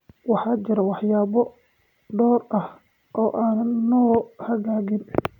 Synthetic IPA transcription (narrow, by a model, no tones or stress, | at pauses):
wɑħɑːt͡ʃɪɾɐwɑħjaːβɔ | ɖɔːrɐh | ʔɔːʔaːnɐnːɔːhɐɣaːɣɪn